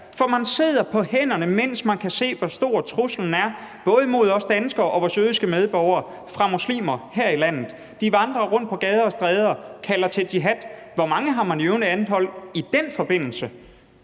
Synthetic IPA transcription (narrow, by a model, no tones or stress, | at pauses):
fɒ̽mænse̝ð̞̰ˠɐpʰɒ̽hen̰ɐnəmen̰smænkʰæse̝̰ːʋɒsd̥o̝ɐ̰t͡sʰʁusl̩n̩æɐb̥ɔ̽ːð̞ˠəmo̝ð̞ˠɒ̽sd̥ænsɡ̥ɐʔɒ̽ʋɒsøːð̞ˠisɡ̥əmeð̞ˠb̥ɒʊɐ | fʁɑ̈muslḭːmɐheɐ̰ilæn̰ð̩ˠ | d̥iʋɑ̈nd̥ʁɐʁɔ̽n̰d̥̚pʰɒ̽ɡ̥ɛːð̞ˠɐɒsd̥ʁɛːð̞ˠɐkʰælɐt͡sʰe̝ld̥iɦæd̥ | ʋɒmɑ̈ŋəɦɑ̈mænøʊnəænð̩ˠɦɒ̽l̰id̥enfɒ̽b̥e̝n̰l̩sə